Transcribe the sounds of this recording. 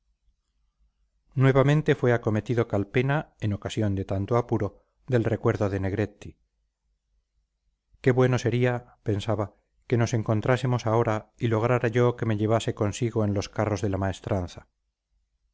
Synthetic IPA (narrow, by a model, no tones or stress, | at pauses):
nwe̞βamẽ̞nt̪e̞fwe̞ako̞me̞t̪iðo̞kalpe̞nae̞no̞kasjo̞nd̪e̞t̪ant̪oapuɾo̞ | ðe̞lre̞kwe̞ɾðo̞ðe̞ne̞ɣ̞ɾe̞t̪ːi | ke̞βwe̞no̞se̞ɾiape̞nsaβa | ke̞no̞se̞ŋko̞nt̪ɾase̞mo̞sao̞ɾailo̞ɣ̞ɾaɾaʝoke̞me̞ʎe̞β̞ase̞ko̞nsiɣo̞e̞nlo̞skaro̞zðe̞lamae̞st̪ɾanθa